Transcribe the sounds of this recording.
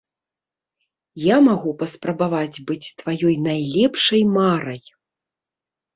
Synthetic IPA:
jamaɣupɐspɾɐbavad͡zʲbɨt͡sʲt̪vajɔjnajlʲɛpʂɐjmaɾɐj

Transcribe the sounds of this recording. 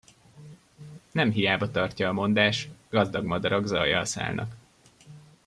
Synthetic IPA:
nɛmɦijaːbɒt̪ɒrcɒːmo̞nd̪aːʃt̪ɡɒzd̪ɒɡmɒd̪ɒɾɒɡzɒjːɒ̰lsa̰ːlnʔɒ̰k

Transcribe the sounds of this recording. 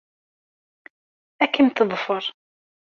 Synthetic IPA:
ækint̪əðˤfəɾˤ

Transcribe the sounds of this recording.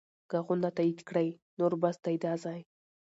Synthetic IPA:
ɡ̥aɣʊnat̪aid̪kɽəj | noɾbasd̪ajd̪ɑzɑj

